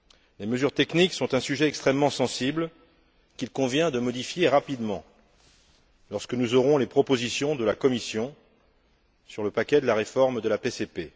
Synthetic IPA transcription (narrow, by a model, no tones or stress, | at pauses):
leməzyʁt̪ɛkniksɔ̃t̪ɛ̃syʒɛɛkst̪χɛmːɑ̃sɑ̃sibl | kʲilkɔ̃vjɛ̃d̪əmɔd̪ifjeʁapid̪mɑ̃ | lɔʁskənuzɔʁɔ̃lepχɔpozisjɔ̃d̪əlakɔmisjɔ̃ | syʁləpakʲɛd̪əlaʁefɔʁmd̪əlapesepe